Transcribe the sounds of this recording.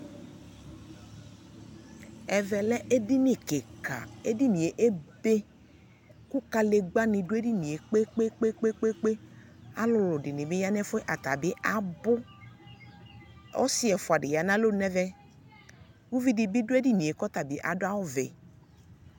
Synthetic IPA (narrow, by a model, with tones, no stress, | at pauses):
ɛ˨vɛ˨lɛ˦ʔe˦di˦nĩ˨ke˨ka̰˨e˦di˦nĩ˨e˨ʔe˦be˦ | ku˦ka˨le˨ɡ͡ba˦nĩ˨ɖʊ˦e˦di˦nĩ˨e˨k͡pe˦k͡pe˦k͡pe˦k͡pe˦k͡pe˦k͡pe˦ | a̰˦lʊ˨lʊ˨ɖɪ˨nĩ˨be˦ja˦nɛ˦fʊ˦ɛ˦ʔa˨t̪a̰˨bɪ˦ʔa˨bʊ˦ | ɔ̰˦si˦ɛ˨fʊ˨a˨ɖɪ˨ja˨nã˦lo˦nɛ̃˦vɛ˦ | wu˦vi˦di˨bi˦ɖʊ˦e˦di˦nĩ˨e˨kɔ˦t̪a˨bi˦ʔa̰˨dʊ˦a˦wʊ˦vɛ̰˨